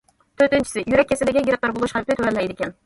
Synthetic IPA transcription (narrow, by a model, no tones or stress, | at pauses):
t̪ʰøɾt̪ɪnt͡ʃʰɪ̥sɪjyɾɛkʲːesɪd̪ɪɡʲɛɡʲeɾɪq̚lˠɑɾbolˠuʃqɑɾp̚lɪt̪ʰøɾɛlːɛjd̪ɪkʲʰɛn